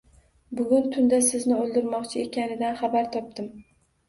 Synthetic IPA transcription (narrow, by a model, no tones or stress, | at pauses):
bʊɡʲʊnt̪ʰʊnd̪asɪznɪolˠd̪ɪɾmɒqt͡ʃʰɪe̞kʲʰanɪd̪anχabaɾt̪ʰɒp̚d̪ɪm